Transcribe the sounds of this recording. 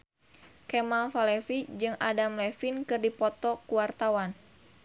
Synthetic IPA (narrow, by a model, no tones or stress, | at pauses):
kɛmalfalɛfid͡ʒɨŋa̰damlɛfinkɨrdipɔt̪ɔkuwart̪awan